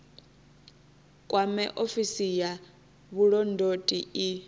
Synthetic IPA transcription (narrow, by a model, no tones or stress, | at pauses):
kʼwamɛʔofisija | βuɺɔndʱotʼii